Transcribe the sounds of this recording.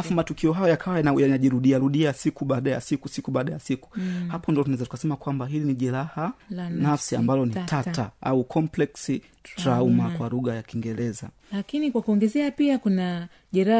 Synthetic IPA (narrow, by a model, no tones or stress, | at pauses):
afumatukiɔɦajɔjakʰawajajanaʄiɾuɗiaɾuɗiasikuɓaːɗaja̰sikusikuɓaːɗajasiku̥hapɔndiɔtunaɛzatu̥kasɛmakwambaɦiliniʄɛɾahanafsia̰mbalɔnitʰatta̰aukʰɔmplɛksi | tɾaumakwaɾuɣajakiŋɡɛɾɛza̰ | lakinikwakuɔŋɡɛzɛapiakuna | ʄɛɾa